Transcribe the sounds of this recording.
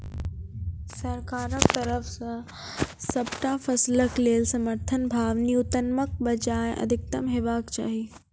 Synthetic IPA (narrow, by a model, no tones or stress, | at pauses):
sɐɾkaːɾəkt̪ɐɾəfsã | sɐbʈafɐsləkleːlsɐməɾt̪ʰənbʱaːʋniʊt̪ənmək̚bɐd͡ʑaːɪʔɐ̰d̪ʱɪk̚t̪ɐmɦeʋaːkt͡ɕa̰ːɦiː